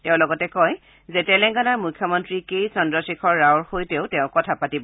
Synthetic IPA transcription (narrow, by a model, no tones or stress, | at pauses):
tɛʊ̃lɔɡɔtɛkɔj | zɛtɛlɛŋkɔnaɹmujkʰːjɔmɔntɹikejsɔndɹɔsikʰɔɹːawɹxojtɛʊ̃tɛʊ̃kɔtʰapatibɔ